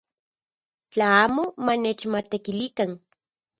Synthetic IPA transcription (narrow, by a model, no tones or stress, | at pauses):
t͡ɬaaːmomanet͡ʃmat̪ekilikan